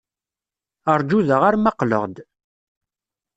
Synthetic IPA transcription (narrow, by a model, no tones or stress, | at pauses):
əɾˤd͡ʒuðəʁaɾmɑqlə̰ʁd̪